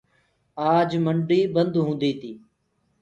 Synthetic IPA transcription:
aːd͡ʒməɳɖiːbənd̪ɦũːnd̪iːt̪ʰiː

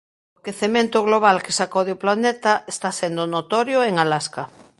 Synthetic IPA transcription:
okeθemẽnt̪oɣloβ̞alkesakowðoplanet̪aʔest̪asend̪onot̪ɔɾjoeŋalaska

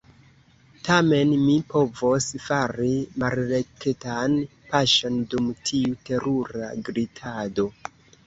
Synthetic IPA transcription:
tʰame̞nmipo̞vosfaɾimalɾeketan | paʃo̞ndumtʰiute̞ɾuɾa̰ɡɾitʰado̞

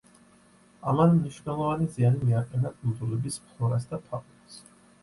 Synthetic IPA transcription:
amanmniʃvnɛlˠɔvanizianimiaqʼɛnakʰʼund̪ulɛbispʰlˠɔɾas̬d̪apʰaqʼ | s

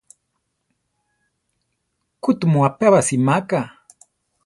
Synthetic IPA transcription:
kʊt̪umuapaβasimaka

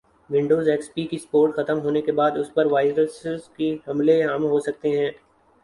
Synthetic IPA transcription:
ʋɪ̃ɳɖoːzeːkspikispoːɾʈxɐt̪əmɦoːnekebaːd̪ʊspɐɾʋaːɪɾəszkiɦɐmleɦɐmɦosɐk̚t̪eɦɛ̃ː

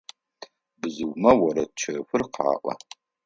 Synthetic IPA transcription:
bɨzɨɡʷmɐwɐɾɐtt͡ʃʰɐxʷʊrqʕa̰ːʔʷɐ̰

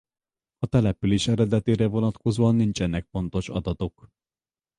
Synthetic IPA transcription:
ɒt̪ɛlɛpyleːʃɛɾɛd̪ɛt̪eːɾɛvo̞nɒt̪ko̞zoːɒnːint͡ʃɛnːɛk̚fo̞nt̪o̞ʃɒ̰d̪ɒt̪o̞k

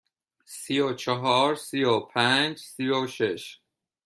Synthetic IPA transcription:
siot͡ʃʰeɦɒːɾsiopʰænd͡ʒsioʃeʃ

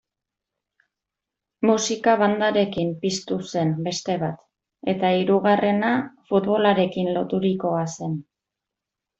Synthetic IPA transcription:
musikaβ̞and̪aɾe̞kimpist̪use̞nbe̞st̪e̞βat̪ | e̞t̪aiɾuɣare̞nafut̪βo̞laɾe̞kinlo̞t̪uɾiko̞ase̞n

